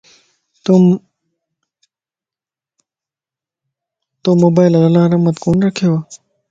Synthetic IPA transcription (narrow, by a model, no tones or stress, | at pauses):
t̪u | t̪oːmoːbaːɪlɐlːaːɾɐɦmət̪koːnɾəkʰeaː